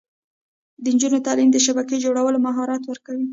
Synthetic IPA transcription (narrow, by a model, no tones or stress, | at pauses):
d̪ənd͡ʒunot̪ɑlimd̪əʃabaked͡ʒoɽawəlomaɦɑɾɑt̪wəɾkawi